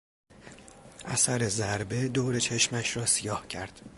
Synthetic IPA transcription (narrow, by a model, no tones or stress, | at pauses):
ʔæsæɾe̞zæɾbe̞d̪oːɾe̞t͡ʃʰe̞ʃmæʃɾɒːsijɒːhcʰæɾd̪̥